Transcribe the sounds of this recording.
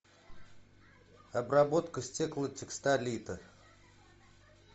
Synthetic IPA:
ɐbrabot̪kəsʲtʲeklˠətʲɪkst̪alʲit̪ə

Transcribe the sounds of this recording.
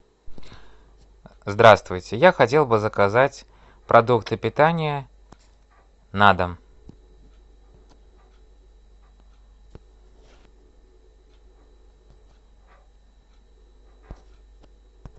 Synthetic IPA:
zd̪ɾast̪vʊjt͡sʲɪjaxɐelˠbɨzəkazat͡sʲ | pɾʔɐd̪ukt̪ɨpʲɪt̪anʲɪjə | nad̪əm

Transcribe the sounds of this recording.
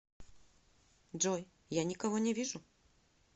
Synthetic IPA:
ʐɔj | janʲɪkɐvɔnʲɛvʲiʐʊ

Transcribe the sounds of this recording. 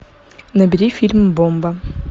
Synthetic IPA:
nɐbʲiɾʲifʲilʲmbombɐ

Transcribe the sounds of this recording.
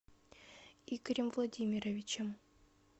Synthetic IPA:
ikɾʲɪmvlˠɐdʲimʲiɾəvʲit͡ɕem

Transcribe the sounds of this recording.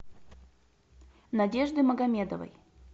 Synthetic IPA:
nɐdʲeʐd̪ɨməɡɐmʲed̪əvə̰j

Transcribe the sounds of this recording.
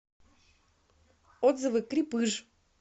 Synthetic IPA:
od̪zɨvɨkɾʲipɨʐ

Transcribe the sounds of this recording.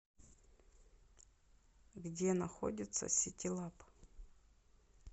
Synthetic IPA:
ɡdʲenɐxo̰dʲɪt̪sə̰sʲɪtʲɪlˠap

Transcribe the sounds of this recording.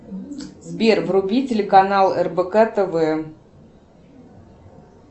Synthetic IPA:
zbʲervrʊbʲitʲɪlʲɪkanalˠɛrbəkat̪əvɨə

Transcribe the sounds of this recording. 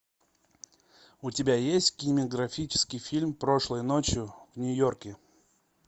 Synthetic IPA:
ʊtʲɪbʲajesʲtʲkʲɪnʲɪmʲəɡɾɐfʲit͡ɕɪ̥skʲɪjfʲilʲmpɾo̞ʂlˠəjnot͡ɕjʊvnʲʊjo̞rkʲɪ

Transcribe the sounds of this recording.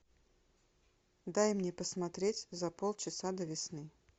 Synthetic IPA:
d̪ajmnʲepəsmɐt̪ɾʲetʲzɐpolˠt͡ɕɪsad̪əvʲɪsnɨ

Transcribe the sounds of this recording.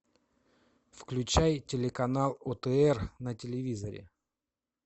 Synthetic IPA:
fklʲʉt͡ɕajtʲɪlʲɪkɐnalˠot̪əɛrnətʲɪlʲɪvʲizəɾʲɪ̰

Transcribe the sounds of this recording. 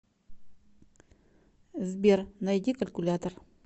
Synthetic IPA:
zbʲernɐjd̪ʲikɐlʲkʊlʲat̪ər

